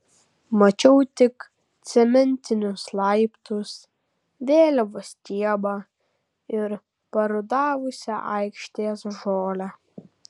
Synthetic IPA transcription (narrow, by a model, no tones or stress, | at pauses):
mɐt͡ʃʲɛʊt̪ʲɪk | t̪sʲɛmʲɛnʲt̪ʲɪnʲʊslˠɐɪpt̪ʊs | ʋʲeːlʲɛʋʊsʲt̪ʲiɛbɑ | ɪɾ | pɐɾʊd̪ɑːʋʊsʲɛʔɐɪkʃʲt̪ʲeːsʒoːlʲæ